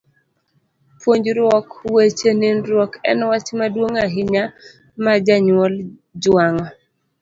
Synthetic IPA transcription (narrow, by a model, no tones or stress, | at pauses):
pʰwoɲd͡ʒɾwɔkwet͡ʃenɪnɾwɔkɛ̰nwat͡ʃmadwoŋaɦɪɲa | mad͡ʒaɲwɔl | d͡ʒwaŋɔ